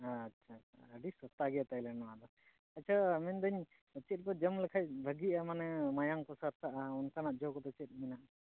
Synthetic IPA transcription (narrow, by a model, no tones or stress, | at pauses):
aːtːʃʰaa̰ːɖisɔt̪aɡɛat̪ajlɛnɔwad̪ɔ | at͡ʃʰamɛnd̪əɲ | t͡ʃɛt̪̚bɔd͡ʒəmlɛkʰaj̚bʱəɡiamanɛmajaŋkɔsaɾt̪aʔaɔnkanaʔ̪̚d͡ʒɔkɔt̪ɔt͡ʃɛt̪̚ˀminaʔ